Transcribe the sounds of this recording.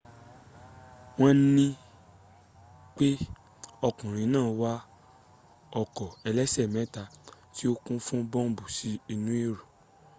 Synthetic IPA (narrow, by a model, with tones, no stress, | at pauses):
w̃ɔ̃˦nĩ˦ | k͡pe˦ | ɔ˧kũ˨ɾ̃ĩ˨˧nãː˦˨˦wa˦ | ɔ˧kɔ˨ɛ˧lɛ˦sɛ˦˨mɛ̃˨˦ta˧ti˦o˦kũ˦fũ˦bɔ̃˦m̩˦bu˨si˦i˧nũ˦i˦ɾu˨